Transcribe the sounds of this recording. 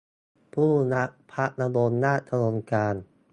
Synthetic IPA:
pʰuː˥˩na˦˥ʔpʰa˦˥ʔ̚na˧boː˧nːaː˥˩t̪ʰa˧nu˧ənkaː˧n

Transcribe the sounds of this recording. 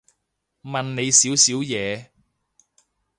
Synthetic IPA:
mɐ˨nne˨˧jsiː˨˥wsiː˨˥wjɛː˨˧

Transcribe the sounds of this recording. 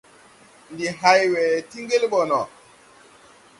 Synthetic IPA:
ndi˨ɦa˨jwɛ˨ti˦ŋɡe˦lɓɔ˨nɔ˨

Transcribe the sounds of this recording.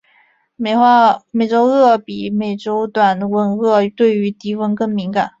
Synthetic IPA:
me˧˩ɪxa˥˩me˨˩ɪʈ͡ʂo˥ʊɤ˥˩pi˨˩me˨˩ɪʈ͡ʂo˥ʊt̪wa˨˩nwə˧˥nɣɤ˥˧t̪we˥˩ɪy˧˥t̪i˧˥fə˥nkɤ˥˩ŋmi˧˥ŋka˨˩˦n

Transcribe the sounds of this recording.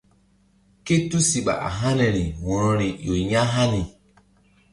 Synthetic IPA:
ke˦tu˦si˨ɓa̰˨ʔa̰˨ɦa˦nɛ˨ɾi˨wɔ̃˨ɾɔ˨ɾi˨jo˨ɲa˦ɦa˦ni˨

